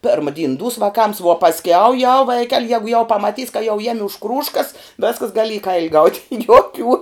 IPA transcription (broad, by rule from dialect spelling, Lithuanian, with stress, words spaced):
ˈpʲɛrmɐ dʲiːn duːs ʋɐˈkɐms ʋuɔ pɐsʲˈkʲɛʊ jɛʊ ˈʋɐɪkʲɛlʲ jɛɡʊ jɛʊ pɐmɐˈtʲiːs kɐ jɛʊ ˈjæːmʲɪ ʊʃ ˈkruːʃkɐs ˈʋʲæːskɐs ˈɡɑːlʲɪ iː ˈkɐɪlʲɪ ɡɐʊtʲ juɔˈkʲuː